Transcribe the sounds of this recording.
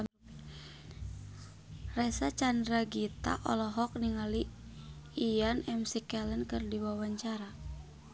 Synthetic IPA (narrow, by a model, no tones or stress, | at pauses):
rɛsat͡ʃandɾaɡit̪a̰ʔɔlɔɦɔk̚niŋali | ijanɛmsikɛlənkɨrdiwawaɲt͡ʃaɾa